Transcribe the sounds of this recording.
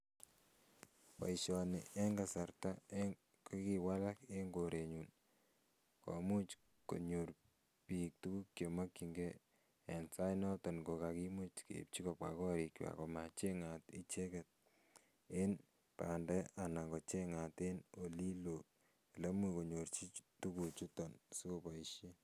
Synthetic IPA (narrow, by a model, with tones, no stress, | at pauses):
pa̰˨iʃɔnɪʔe˦ŋɡa˨sarta˦e | koki˨wala˦ke˦ŋɡoɾʔe˨ɲun | kɔ̰mu˦t͡ʃ | ko̰˨ɲoɾ | pik̚tu˦ku˦kːjo˨ma˦kːiŋɡe˦ | ensa˦jnɔ˦tɔ˨nɡo˨kaki˦mut͡ʃkḛp̚t͡ʃi˦kɔp̚ka˨kɔ˦ɾi˨kwa̰˨kɔ˨mat͡ʃe˦ŋati˦t͡ʃe˦kɛt̚ | en | pandɛ˦ana˨kɔ˨t͡ʃe˦ŋateno˨li˦lo˨ | le˦muko˨ɲoɾt͡ʃi˦tu˦kut͡ʃu˦tɔnsu˦kopaiʃi˦